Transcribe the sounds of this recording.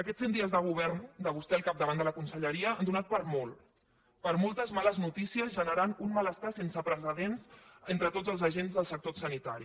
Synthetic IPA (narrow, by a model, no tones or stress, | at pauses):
əkɛtsend̪iəzðəɣ̞uβ̞ɛɾnd̪əβ̞ust̪ɛəlˠkap̚d̪əβand̪ələkunsəʎəɾiəand̪unat̪̚pəɾmolˠ | pəɾmolˠt̪əzmaləznut̪isiəzʒənəɾanunmələst̪asensəpɾəsəðensent̪ɾət̪od͡zəlˠzəʒenzðəlˠsək̚t̪osənit̪aɾi